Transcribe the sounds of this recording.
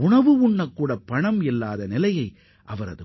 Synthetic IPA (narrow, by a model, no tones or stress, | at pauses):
ʊɳɐʋɯʊɳːɐkːuːɽɐpːɐɳɐmɪlːaːðɐnɪlɐjɐɪ | ʔɐʋɐɾɐðɯ